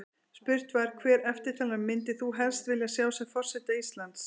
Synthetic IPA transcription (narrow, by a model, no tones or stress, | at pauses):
spʏr̥t̪vaɾ̥kʰvɛːɾɛft̪ɪ̥t̪ʰaːlamɪnt̪ɪθuɦɛlst̪vɪljasjaːwsɛɣfɔr̥sɛht̪aist̪lant̪s